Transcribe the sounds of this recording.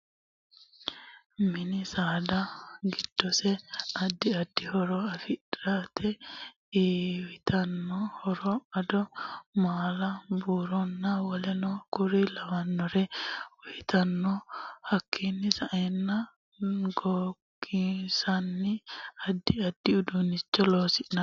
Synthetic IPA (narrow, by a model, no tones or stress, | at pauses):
mɪnɪsaːd̪ɐɡɪd̪̥ːɔsɛɐd̪ːɪɐd̪ːɪhɔɾɔɐfɪᶑɾaːt̪ʰɛ | eːwɪt̪ɐnːɔhɔɾɔɐd̪ɔmaːlɐbuːɾɔnːɐwɔlɛnɔkʊɾɪlɐwɐnːɔɾɛwɔjt̪ɐnːɔhɐkʰːinːɪsɐʔɛnːɐ | ɡɔɡɪsɐnːɪɐd̪ːɪɐd̪ːɪʊd̪unɪt͡ʃːɔloːsɪʔnɐ